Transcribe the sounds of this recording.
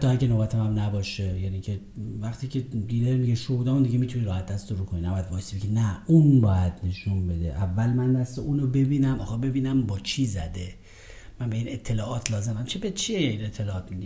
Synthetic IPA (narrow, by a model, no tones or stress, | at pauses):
hæt̪ːɒːhækʲʰenobæt̪ʰæmæmnæbɒːʃejæniːcʰe | væχt̪ʰiːcʰed̪iːd̪eɾmiɟeʃod̪æːmund̪iɡemit̪ʰuniɾɒːhæt̪̚ʰd̪æst̪oɾuːkʰoninæbɒːjæd̪̚bɒːjesibeɡenæunbɒːjæd̪̥ne̞ʃunbe̞d̪ḛʔævːælmænːæsleuːnobe̞biːnæmʔɒ̰ːxɑbe̞biːnæmbɒːt͡ʃʰiːzæ̰d̪e | mænbeiːnet̪ʰːe̞lɒːʔɒːt̪ʰlɒːze̞mæmt͡ʃʰebet͡ʃʰiinet̪ʰːelɒːɒːt̪mi